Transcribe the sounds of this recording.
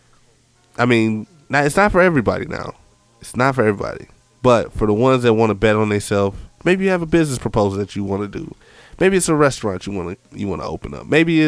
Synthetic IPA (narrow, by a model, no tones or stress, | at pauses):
ʔaɪmĩnː | aɨtsnətfə˞ɛvɹibɑ̰ɾḭna̰ʊ | ɨtsnətfə˞ɛvɹibɑ̰ɾḭ | b̥ʌtfə˞ðəwʌ̃nzðɨt̚wɑ̃nəbɛɾn̩ðɨsɛlˠfmeɪbijɨːvəbɪznɨspʰɹ̥əpʰoʊzl̩ˠðɨt͡ʃɨwɑ̃nɨdɨ̰ | meɪbiɨtsəɹɛstɹ̥ɑ̃nt͡ʃɨwɑ̃nɨjɨ̰wɑ̰̃nə̰o̰ʊpɨ̃nʌ̰p̚meɪbi